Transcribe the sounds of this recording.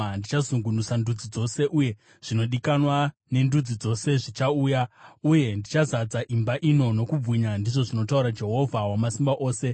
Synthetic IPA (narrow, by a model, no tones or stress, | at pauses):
ndit͡ʃazuŋɡunusandud͡zid͡zo̞se̞ʔuje | ʐ̥ino̞ɗikanwa | ne̞ndud͡zid͡zo̞se̞ʐit͡ʃauːjauje̞ndit͡ʃazad͡zaʔimbaʔino̞no̞kub͡vwiɲandiʐo̞ʐino̞tauɾad͡ʒe̞ɦo̞vʱawamasimbaʔo̞ːse̞